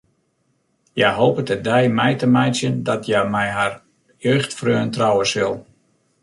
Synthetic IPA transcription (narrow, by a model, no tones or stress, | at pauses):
jɛjɦoːpətədɛjmɛjtəmɛjsjəndɔtjamɛjɦar | jøːxtfrøːəntrɔwəsɪlˠ